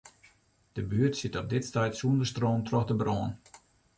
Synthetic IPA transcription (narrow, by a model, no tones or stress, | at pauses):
d̥əbyərtsɪtɔp̚dɪtstɛjtsuəndəstroːntrɔxdəbroːn